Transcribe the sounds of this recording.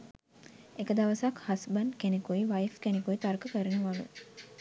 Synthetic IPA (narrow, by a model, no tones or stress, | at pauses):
ekəd̪aʋɐsakhɐsbənkenekuiʋajfkenekuit̪aɾkəkəɾəneʋalṵ